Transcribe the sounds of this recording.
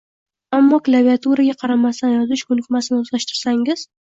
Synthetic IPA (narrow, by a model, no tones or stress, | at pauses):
amːɒklˠaviat̪ʰuɾaɡʲaqʰɑɾamast̪anjɒzɪʃkʰɵnɪkʲmasɪnɪozlaʃt̪ɪɾsaŋɪz̥